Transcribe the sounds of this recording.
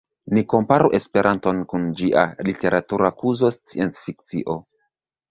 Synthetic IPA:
niko̞mpaɾuʔe̞spe̞ɾʔanto̞nkund͡ʒiʔa̰lite̞ɾʔatuɾakuzo̞st͡siensfik̚t͡siʔo̞

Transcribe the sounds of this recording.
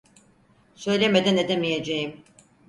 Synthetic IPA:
sø̞jlʲeme̞d̪æne̞d̪emije̞d͡ʒejim

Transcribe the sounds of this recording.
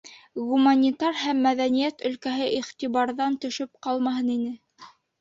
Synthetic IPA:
ɡumanʲit̪ɑrhæmːæðænijæt̪ɵ̆lkæɦɘʔiχt̪iβɑɾðɑnt̪ɵ̆ʃɵp̚qɑlˠmɑhɤninɘ

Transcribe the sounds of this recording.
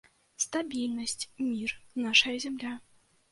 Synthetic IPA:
st̪abʲilʲnɐsʲt͡sʲmʲirnaʂɐjɐzʲɛmlʲa

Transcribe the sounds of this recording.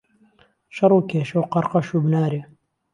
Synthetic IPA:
ʃɐɾˤuːkʰeːʃowqɑɾqɐʃuːbnaːɾe

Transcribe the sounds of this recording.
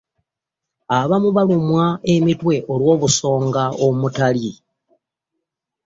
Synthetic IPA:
aβamuβalumwaemitwe̞ʔolwo̞ːβuso̞ːŋɡaomutali

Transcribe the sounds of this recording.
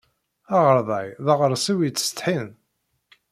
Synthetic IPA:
aʁəɾˤðˤɑjðəʁəɾˤsiwit͡sːst̪ħin

